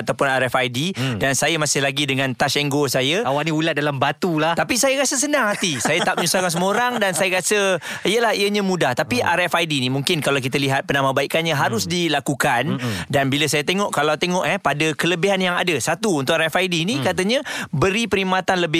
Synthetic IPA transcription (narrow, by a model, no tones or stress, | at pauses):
at̪awpʊnaɾɛfajdidansajamasɪhlaɡidəŋãnt̪aʃɛŋɡosajəawaʔniulat̪̚dalambat̪ulaht̪apisajakasəsənãŋhat̪isajat̪aʔ̚pməɲusakansəmuoɾaŋdansajəkasəijəlahiəɲãmudaht̪apiʔaɾɛfajdinimuŋkɪnkalawk̬it̪əliɦat̪̚pənamabaiʔkanɲaɦaɾʊsdilakukandanbiləsajət̪eŋɔʔkalawt̪eŋɔʔhɛpadəkələbiɦanjaŋa̰dəsat̪uːnt̪ʊʔaɾɛfajdiːnikat̪əɲə̃bəɾipəɾimat̪anləbɪ